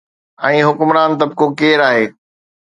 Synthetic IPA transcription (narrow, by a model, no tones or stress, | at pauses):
ɛ̃ːɦʊkʊmɾaːnt̪̬ɐb̚kokeːɾaːɦeː